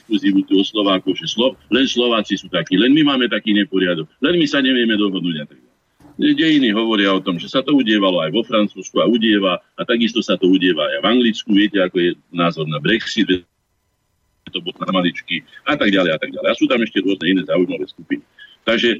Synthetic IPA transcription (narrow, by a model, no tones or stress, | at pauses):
kluziːʋut̪uɔslɔʋaːkɔʊʒɛslɔlɛnslɔʋaːt͡sisuːt̪akiːlɛnmimaːmɛt̪akiːɲɛpɔɾɪad̪ɔɡlɛnmisaɲɛʋɪɛmɛd̪ɔɦɔd̪nuːɟat̪aɡ̚ɟalɛ | ɛɟɛjiniɦɔʋɔɾɪaɔt̪ɔmʒɛsat̪ɔuɟɪɛʋalɔajʋɔfɾant͡suːskuauɟɪɛʋaat̪aɡist̪ɔsat̪ɔuɟɪɛʋaajajvaŋɡlit͡skuʋɪɛcɛakɔjɛnaːzɔɾnabɾɛksid̪ʒɛ | ɛt̪ɔbɔlnamalit͡ʃkiat̪aɡ̚ɟalɛjat̪aɡ̚ɟalɛjasuːt̪amɛʃcɛɾʊɔznɛinɛːzaːujmaʋɛːskupinit̪aɡʒɛ